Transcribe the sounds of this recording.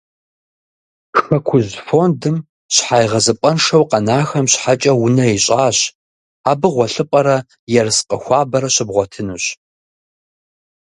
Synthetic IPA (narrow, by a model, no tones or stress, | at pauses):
xɐkʷʰʊzfoːndɨm | ɕħajʁɐzɨpʼɐnʂɐwqɐnaːxɐmɕħat͡ʃʼɐwʊnɐiɕʼaːɕ | aːbɨʁʷɔɬɨpʼɐɾɐ | jɛrɨsqəxʷɑːbɐɾɐɕɪbʁʷɔtʰɨnuɕ